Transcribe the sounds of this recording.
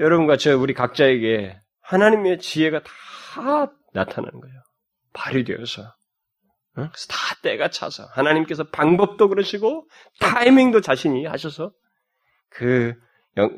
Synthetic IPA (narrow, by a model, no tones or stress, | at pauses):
jʌɾʌbunɡat͡ɕʌuɾikak̚t͡ɕ͈aeɡe̞ | hanaɲime̞t͡ɕiɦe̞ɡatḁ | natʰana̰nnɡʌo | paɾjidwe̞̰ʌsʰʌ | ksʰtʰḁt͈eɡat͡ɕʰa̰sʰʌ̰hanaɲimk͈e̞s̬ʰʌpaŋbʌp̚t͈okɯɾʌɕʰiɡo | tʰajimiŋdot͡ɕaɕʰiɲiha̰ɕʰʌsʰʌ | kɯ | jʌŋ